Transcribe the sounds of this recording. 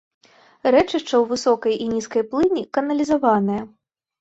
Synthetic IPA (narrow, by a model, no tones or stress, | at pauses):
ɾɛt͡ʂɨʂt͡ʂɐwvɨsɔkɐjʔinʲiskɐjplˠɨnʲikɐnɐlʲizavanɐjɐ